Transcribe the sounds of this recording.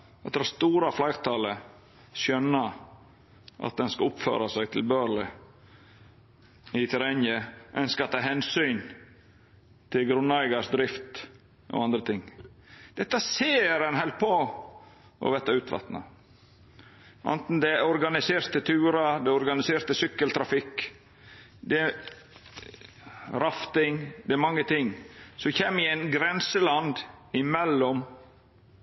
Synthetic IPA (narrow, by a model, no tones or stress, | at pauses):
ɑt̪̚d̪əhɑst̪uːɾɑflɑɪɾt̪ʰɑːlə | sœnːə | ʔɑ̰t̪̚d̪ɛnskɑʊpfø̰ːɾɑsæɪɡt̪ʰɪlbøːɾɭɪ | ɪt̪ʰɛɾɛnjəʔɛnskɑt̪ʰːɑːɦɛnsyːn | t̪ʰɪlɡɾʉnːæɪɡɑʂd̪ɾɪft̪ | ʔɔ̰ɑnd̪ɾət̪ʰɪŋd̪̥ɛt̪ːɑseːɾɛnhɛlt̪̚pʰo | ʔɔ̰ʋɛt̪ːɑʉːt̪ʰʋɑ̰t̪nɑ̰ | ʔɑ̰nt̪n̩d̪ɛɔɾɡɑnɪseːɾt̪ət̪ʰʉːɾɑd̪ɛɔɾɡɑnɪseːɾt̪əsʏkːəlt̪ʰɾɑfɪk | d̪ɛ | ɾɑft̪ɪŋd̪ɛæɾmɑŋːət̪ʰɪŋːsɔçeːmːɪɛɪnɡɾɛnsəlɑnd̪ɪmɛlːɔm